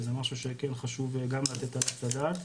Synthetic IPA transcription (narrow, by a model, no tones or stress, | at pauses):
zemaʃuʃekenχaʃuvɡamlat̪et̪alasadaːt̪